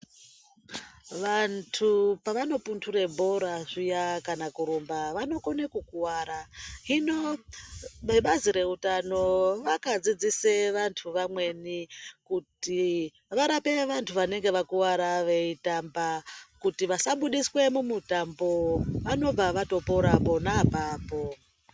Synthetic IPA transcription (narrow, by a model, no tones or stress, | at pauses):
ʋantʰupaʋano̞puntʰure̞bʱo̞ɾaʐijakanakuɾombaʋano̞konekukuwaɾaɦino | eɓaziɾe̞utano̞ʋakad͡zid͡ziseʋantʰuʋamwe̞nikuti | ʋaɾape̞ʋantʰuʋane̞ŋɡe̞ʋakuwaɾaʋe̞itambakutiʋasaɓuɗiswe̞mumutambo̞ʋano̞b͡vaʋato̞poɾapo̞naːpaːpo̞